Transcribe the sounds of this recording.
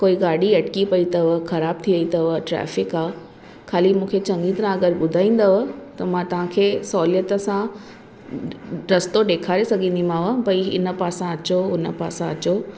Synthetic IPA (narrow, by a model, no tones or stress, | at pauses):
koːiɡaːɽiɐʈkipɐit̪ɐʋəxɐɾaːb̚t̪ʰiʋɐit̪ɐʋəʈɾɛ̰ːfɪkaː | kʰaːlimũːkʰet͡ɕɐ̃ŋɡit̪ɐɾãɐɡəɾɓʊd̪ʱaːĩːn̆d̪ɐʋt̪ɐmãt̪ɐʋ̤ãkʰeːsɔːljət̪ə̆sã | ɾɐst̪oɗeːkʰaːɾesɐɡʱĩːnd̪imãːʋəbɐiɪ̰nə̆paːsãɐt͡ɕoʊnə̆paːsãɐt͡ɕo